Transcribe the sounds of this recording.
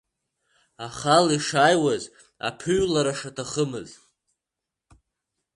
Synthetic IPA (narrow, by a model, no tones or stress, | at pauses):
aχaliʂajwaz | a̰pʰɨɥlaɾaʂatʰaχəmɨz